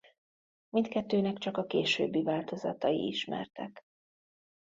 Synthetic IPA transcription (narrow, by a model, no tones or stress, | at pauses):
mint̪kɛt̪ːøːnɛkt͡ʃɒkɒkeːʃø̰ːbːivaːlt̪o̞zɒt̪ɒḭiʃmɛ̰rt̪ɛk